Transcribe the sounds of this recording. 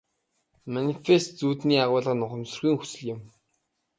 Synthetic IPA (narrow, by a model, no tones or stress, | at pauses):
manifest̪̚t͡suːt̪niːaʁʊːɮə̆nʊχə̆msɵ̆rɣʲiːŋxu̥sɘ̆ɮɪ̆m